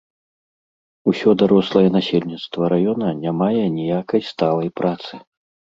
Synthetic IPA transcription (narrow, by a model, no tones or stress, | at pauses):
usʲɔd̪aɾɔslˠɐjɛnasʲelʲnʲit̪st̪vɐɾajɔnɐnʲamajɛnʲijakɐjst̪alˠɐjpɾat̪sɨ̥